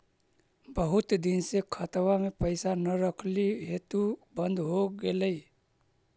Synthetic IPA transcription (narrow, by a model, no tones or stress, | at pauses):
bəɦʊt̪d̪ɪnsekʰət̪wamẽpəɪsanəɾəkʰliɦeːt̪ubə̃nd̪ɦoɡeləi